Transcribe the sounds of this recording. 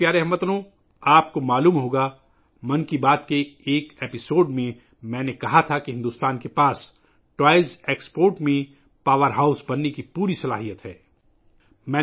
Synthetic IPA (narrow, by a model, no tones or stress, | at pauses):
pjaːɾeɦɐmət̪nõ | aːpkomaːluːmɦoːɡa | mɐ̃nkibaːt̪keːkeːpɪsoːɖmẽ | mɛ̃ːnekɐɦat̪ʰakiɦɪ̃nd̪uːst̪aːnkepaːs | ʈwaːɪlzeːkspoːɾʈmẽ | paːʋəɾɦaːʊsbɐnːekipuːɾisɐla̰ːɦijət̪ɦɛː | mɛ̃ː